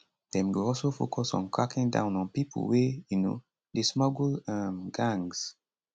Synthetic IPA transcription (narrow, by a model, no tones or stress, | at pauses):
dɛ̃mɡoɔlsofo̰kʰɔsɔ̰̃nkɹakĩŋdã̰ʊ̃nɔ̃npipṵwejuno̰ | desmɔɡlãmɡãŋz̥